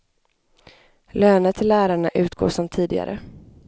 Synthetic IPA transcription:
løːnət̪ʰɪlːæːɾaɳaʔʉ̟ːt̪ɡo̰ːʂɔmt̪ʰiːd̪ɪɡa̰ɾə̰

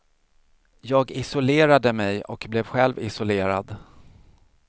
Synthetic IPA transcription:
jɑːɡɪsʊleːɾad̪əmɛjɔ̰kblɛvɧɛlvɪsʊleːɾad̪

